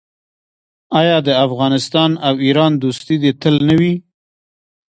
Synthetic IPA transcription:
ɑjɑd̪əafɣɑnɪst̪ɑnawiɾɑnd̪ost̪id̪et̪əlnawi

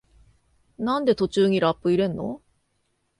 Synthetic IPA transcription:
nand̪e̞t̪ot͡ɕuːŋiɾap͈ːɯiɾe̞nːo̰

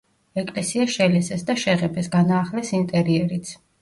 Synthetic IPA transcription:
ɛkʼlɛsiaʃɛlɛsɛsd̪aʃɛʁɛpʰɛsɡanaːχlɛsint̪ʼɛɾiɛɾit̪sʰ

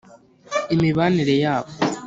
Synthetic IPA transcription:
imiβaːniɾe̞jaːβo

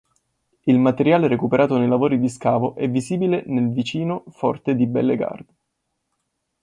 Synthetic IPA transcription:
ilmat̪eɾjaːleɾekupeɾʔaːt̪onejlavoːɾid̪iskaːvoʔɛvːiziːbilenelvit͡ʃiːnofɔ̰rt̪ed̪ibɛ̰lːeɡa̰rd̪e

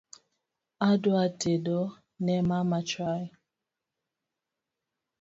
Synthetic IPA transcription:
adʊatedɔ | nɛmamat͡ʃa

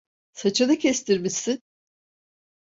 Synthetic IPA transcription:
sat͡ʃʰɯnɯcʰɛst̪ʰiɾmisin

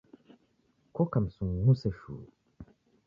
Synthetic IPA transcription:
kokamsũŋnũsɛʃṵː

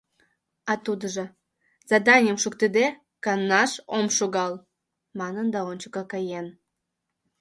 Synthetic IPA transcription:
ɑt̪ud̪əʒə̆ | z̥ɑd̪ɑnʲjəmʃukt̪ed̪e | kɑnnɑʃomʃoɣɑl | mɑnənd̪ɑonʲt͡ɕə̥kɑkɑjen

